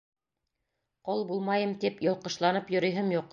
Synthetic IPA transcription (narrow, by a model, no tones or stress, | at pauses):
qɤlˠbulˠmɑjɤmt̪ipjŏlˠqɤ̆ʃlˠɑnɤpjŏɾɤ̆jɦɤmjuqː